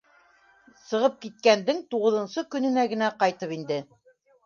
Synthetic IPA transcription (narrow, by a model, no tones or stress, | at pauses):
sɤ̆ʁɤp̚kit̪̚kænd̪ɘŋt̪uʁɤ̆ðɤ̆nsɤkɵ̆nɵ̆næɡɘ̆næqɑjt̪ɤpind̪ɘ